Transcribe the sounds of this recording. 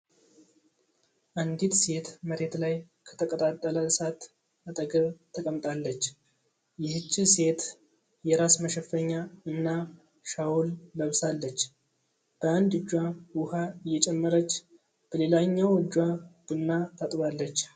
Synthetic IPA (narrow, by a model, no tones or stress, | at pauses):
ʔand̪it̪se̞t̪məɾe̞t̪laj | kʰə̥t̪ʰəkʼət̪ʼat̪ʼːələsat̪ | at̪ʼəɡəβt̪ʰəkʼəmt̪ʼalːət͡ʃː | jɪhɨt͡ʃːɪse̞t̪ | jɛɾasməʃɛfəɲːaɨnːa | ʃawulːəβsalːət͡ʃː | b̥əand̪ɨd͡ʒːwawʊhaɨjːɛt͡ʃʼɛmːəɾət͡ʃː | b̥əle̞laɲːawɨd͡ʒːwab̥ɨnːat̪ʰat̪ʼβalːət͡ʃː